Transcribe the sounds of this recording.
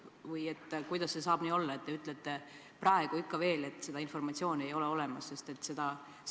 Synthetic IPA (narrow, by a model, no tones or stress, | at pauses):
vɯje̞t̪ːkujd̪̥ɑsːe̞sɑːb̥niːo̞lːɑe̞t̪̚ːe̞yt̪ːˑlet̪ːˑe̞ | prɑe̞ɡ̥uikˑːɑve̞ːle̞t̪ːˑse̞d̪ɑinfo̞rmɑt̪sio̞ːne̞jo̞leo̞le̞mɑsse̞st̪e̞t̪ːse̞d̪ɑ